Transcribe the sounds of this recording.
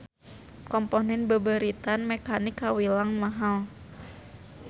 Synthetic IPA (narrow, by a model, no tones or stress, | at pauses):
kɔmpɔnɛnbəbəɾit̪anmɛkanɪkːawilaŋmaɦal